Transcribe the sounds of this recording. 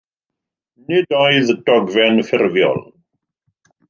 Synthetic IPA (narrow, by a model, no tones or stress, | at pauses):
nɪdɔjðdɔɡvɛnfɪrvjɔ̰l